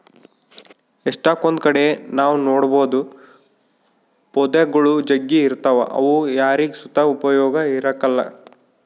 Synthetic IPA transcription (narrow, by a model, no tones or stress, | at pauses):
eʂʈaːkond̪kɐɽe̞naːʋunoːɽboːd̪u | pɔd̪ɐɡɐɭud͡ʒɐɡːiːɾt̪ɐʋɐ̰ʔɐ̰ʋujaːɾiɡsut̪ɐupɐjɔːɡɐiɾɐkɐlːɐ̰